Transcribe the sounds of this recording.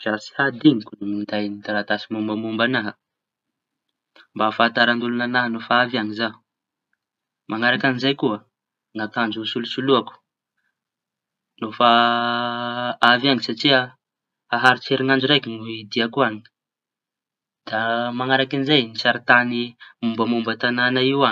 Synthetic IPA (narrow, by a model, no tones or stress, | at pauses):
vasi̥had̪iŋikunumind̪ajnid̪aɾat̪asimumbamumbanaɦə | mbafat̪aɾand̪ulunanaɦənofaavaŋizau̥ | mʔaŋaɾakanizajkuə | ŋat̪and͡ʒusulusuluaku̥ | nofa | avaŋisaʈ͡ʂia | aɦaɾit͡seɾiŋand͡ʒuɾekinuid̪iakuani̥ | d̪̥amaŋaɾakinizajnisaɾit̪animumbəmumbət̪ananaiwa